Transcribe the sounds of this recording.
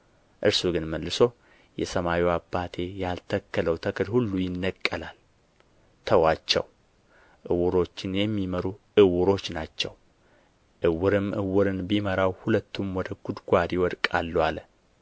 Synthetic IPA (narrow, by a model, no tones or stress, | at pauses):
ʔɨɾsuɡɨnməlːɨso̞ | jɛ̰səmawiwabːat̪ʰe̞jalt̪ʰəkʰːələwt̪ʰəkʰɨlhulːujɪnːəkʼːəlal | t̪ʰəwat͡ʃːɛ̰w | ʔɨwʊɾo̞t͡ʃːɪnjɛmːiməɾuʔɨwʊɾo̞t͡ʃːnat͡ʃːɛw | ʔɨwːʊɾɨmʔɨ̰wʊɾɨnbiməɾawhulət̪ʰːumwɔd̪əɡ̥ud̪ɡʷad̪iwɔd̪kʼa̰lːalə